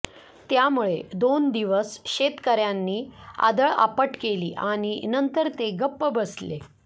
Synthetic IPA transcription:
t̪jamuɭed̪ond̪iʋəsɕet̪kəɾjanːiːa̰d̪əɭa̰pəʈkeliːʔaɽ̃inənt̪əɾt̪eɡəpːəbəsle

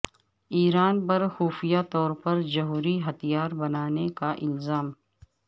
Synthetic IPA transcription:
iːɾaːnpɐɾxuːfijat̪ɔːɾpɐɾd͡ʒɐɦuːɾiɦɐt̪ijaːɾbɐnaːnekaʔɪlzaːm

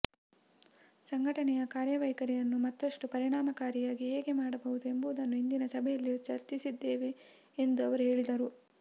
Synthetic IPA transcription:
sɐŋɡʱɐʈɐnɛjɐkaːɾjɐʋɐjkɐɾɛjɐnːumɐt̪ːɐʂʈupɐɾiɳaːmɐkaːɾijaːɡiɦeːɡe̞maːɽɐbɐɦud̪ue̞mbuʋud̪ɐnːuind̪inɐsɐbʱɛjɐlːit͡ʃɐɾt͡ʃisid̪ːeːʋe̞ː | nd̪uɐʋɐɾuɦe̞ːɭid̪ɐɾu

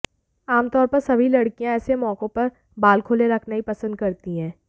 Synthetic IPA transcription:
aːmt̪ɔːɾpɐɾsɐbʱilɐɽkijãɛːsemɔːkõpɐɾ | baːlkʰoːleɾɐkʰnaɦipɐsə̃nd̪̚kɐɾt̪iɦɛ̃ː

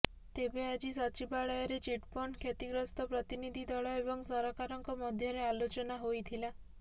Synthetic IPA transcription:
t̪ebead͡ʒisɔt͡ʃibaɭɔjɔɾet͡ʃiʈpɔɳkʰjet̪iɡɾɔst̪ɔpɾɔt̪inid̪ʱid̪ʱɔɭɔebɔŋsɔɾɔkaɾɔŋkɔmɔd̪ʱjɔɾealot͡ʃɔnaɦojt̪ʰila

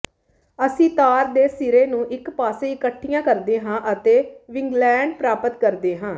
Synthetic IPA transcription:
əsĩːt̪aːɾd̪eːsɪɾeːnũːʔɪkpaːseːɪkəʈʰːijãːkəɾd̪eːɦãːʔət̪eːʋɪŋɡlɛːɳɖpɾaːpət̪kəɾd̪eːɦãː

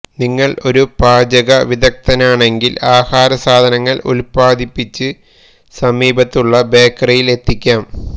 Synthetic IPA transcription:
niŋːɐɭo̞ɾubaːd͡ʑɐɣɐʋiðɐk̚t̪ɐnaːɳe̞ŋɡilaːhaːɾɐsaːd̪ʱɐnɐŋːɐɭṵlpaːd̪ʱipːit͡ɕːɨ | sɐmiːbɐt̪ːuɭːɐbe̞ːkːrɐjile̞t̪ːikʲːaːm

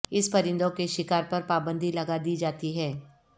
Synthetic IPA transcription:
ɪspɐɾɪ̃nd̪õkeʃɪkaːɾpɐɾpaːbə̃nd̪ʱilɐɡad̪iːd͡ʒaːt̪iɦɛː

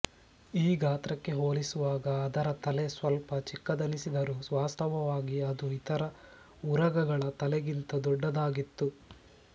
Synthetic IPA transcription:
iːɡaːt̪ɾɐkːe̞ɦoːlisuʋaːɡɐːd̪ɐɾɐt̪ɐlesʋɐlpɐt͡ʃikːɐd̪ɐnisid̪ɐɾusʋaːst̪ʰɐʋɐʋaːɡiɐd̪uit̪ɐɾɐ | uɾɐɡɐɡɐɭɐt̪ɐlɛɡint̪ɐd̪ɔɖːɐd̪aːɡit̪ːu

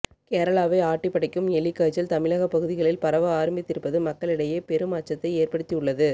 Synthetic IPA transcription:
keːɾɐɭaːʋɐɪaːʈːɪpːɐɽɐɪkːɯmɛɭɪkːaːt͡ʃːɐlt̪ɐmɪɭaɣɐpɐɣɯðɪɣɐɭɪlpɐɾɐʋɐaːɾɐmbɪt̪ːɪɾɯpːɐðɯmɐkːɐɭɪɽɐjeːpɛɾɯmaːt͡ʃːɐt̪ːɐɪeːrpɐɽɯt̪ːiɯɭːɐðɯ

